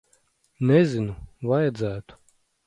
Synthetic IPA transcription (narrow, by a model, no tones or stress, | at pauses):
nɛzʲinuvajad̪zæːt̪u̥